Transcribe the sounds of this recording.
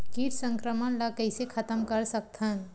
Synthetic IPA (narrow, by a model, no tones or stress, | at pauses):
kiʈsə̃ŋkɾəmənlakəɪsekʰət̪əmkəɾsək̚t̪ʰən